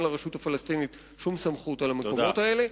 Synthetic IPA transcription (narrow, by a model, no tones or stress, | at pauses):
laʁeʃutafalast̪init | ʃumsamχutalamekootae̞le̞